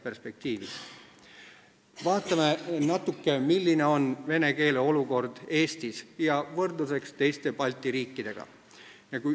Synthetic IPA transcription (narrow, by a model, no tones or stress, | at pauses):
perspe̞k̚t̪iːvḭs | vɑːt̪ːˑɑmenɑt̪ːˑukːe̞milːine̞o̞nve̞ne̞ke̞ːleo̞luko̞rd̪̥e̞ːst̪isjɑvɤrd̪use̞kst̪e̞jst̪e̞pɑlʲt̪ːˑiɾiːkːid̪̥e̞ɡ̥ɑ̰ | jɑku